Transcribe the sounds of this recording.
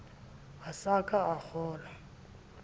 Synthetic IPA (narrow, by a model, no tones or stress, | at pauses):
asakʼaak͡xʰɔːla